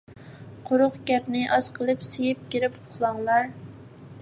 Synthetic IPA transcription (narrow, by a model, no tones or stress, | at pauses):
qʰʊɾʊqɡʲɛpnɪʔɑz̥qʰəlˠɨpsejɪp̚kʲiɾɪpʊχlˠɑŋlˠɑɾ